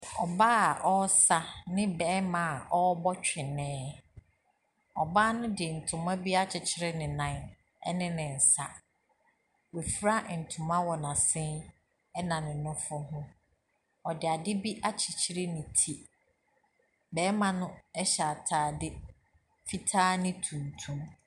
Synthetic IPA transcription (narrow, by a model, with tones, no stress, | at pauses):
ɔ˨baː˦˨ʔɔ˦sa˦nɪ̃˦bɛː˨˦mã˨a˨ʔɔ˦bɔ˦t͡ɕᶣɪ˨nɛ̃ː˦ | ɔ˨baː˦nʊ̃˦dɪ˨n̩˨tʰʊ̃˨mã˦bi˦a˦t͡ɕʰɪ˨t͡ɕʰɪ˦ɾɪ˦nɪ̃˨nã˨ | ɛ˦nɪ̃˦nɪ̃˨n̩˨sa˦ | we˨fɾa˦n̩˨tʰʊ̃˨mã˦wɔ˨nã˨sɪ̃˦n | ɛ˦nã˨nɪ̃˨nʊ̃˦fʊ˦ɦʊ̃˦ | ɔ˨dɪ˨a˨dɪ˦bi˦ʔa˦t͡ɕʰɪ˨t͡ɕʰi˦ɾe˦nɪ̃˨tʰi˦ | bɛː˨˦mã˨nʊ̃˦ɛ˦ɕa˨a˨tʰaː˨dɪ˦ | fi˦tʰaː˦nɪ̃˦tʰũ˨ntʰũ˦m